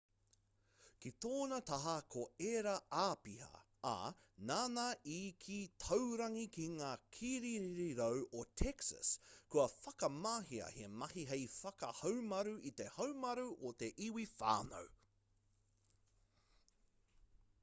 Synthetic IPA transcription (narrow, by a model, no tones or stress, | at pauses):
kit̪oːnɐt̪ɐɦɐkʰoeɾɐaːpihɐ̰ | ɐ̰naːnaːʔiːkʰit̪ʰowɾɐŋikiŋaːkʰiɾiɾiɾiɾowʔot̪ʰɛksɐ̰skuɐfɐkɐmaɦiɐ̰hḛmɐhiɦejfɐkɐ̰hɐwmɐɾuʔit̪e̞hɐwmɐɾuʔot̪e̞ʔiwifa̰ːno̰w